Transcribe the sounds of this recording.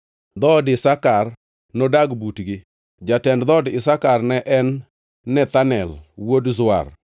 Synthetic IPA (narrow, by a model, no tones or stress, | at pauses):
d̪ɔdɪsakar | nɔdaɡbutɡɪ | d͡ʒatɛndd̪ɔdɪsakarnɛʔɛnː | ɛt̪anɛ̰lwodzʊa̰r